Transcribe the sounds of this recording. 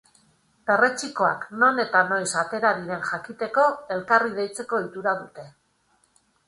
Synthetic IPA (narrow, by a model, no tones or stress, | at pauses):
be̞re̞t͡ʃiko̞a̰kno̞ne̞t̪ano̞jsat̪e̞ɾaðiɾe̞nʝakit̪e̞ko̞e̞lkarið̞e̞jt͡se̞ko̞it̪uɾaðut̪e̞